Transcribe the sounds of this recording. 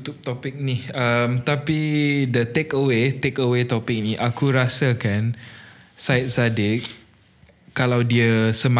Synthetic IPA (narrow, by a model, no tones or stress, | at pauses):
t̪ʊk̚t̪ɔpik̚niəmt̪apidət̪ekəwet̪ekəwet̪ɔpɪk̚niʔakuɾasakan | sajt̪̚sadɪt̚ | kalawdiəsəm